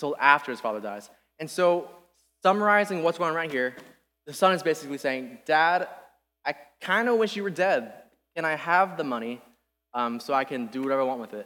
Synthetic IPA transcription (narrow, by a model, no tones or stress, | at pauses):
tʰɪlˠæftə˞ɨz̥fɑ̰ðə˞daɪz̥ | ɨ̃nsoʊ | sʌmə˞aɪzɪ̃ŋwʌtsɡ̥oʊɪ̃ŋɹaɪn̚hiɹ | ðɨsʌ̃nɨzbeɪsɨkliseɪɪ̃ŋd̥æɾ | aɪkʰãɪ̃ndəwɪʃjɨwə˞dɛd̚ | kʰɨ̃ñaɪəvðəmʌɾ̃i | ʌ̃msoʊaɪkɨ̃ndɨwʌɾɛvəaɪwɑ̃nt̚wɨðɪt̚